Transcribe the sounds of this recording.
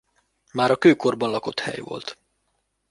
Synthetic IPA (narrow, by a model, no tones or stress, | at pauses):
maːɾɒkøːko̞rbɒnlɒko̞t̪hɛ̰jʋo̞̰lt̪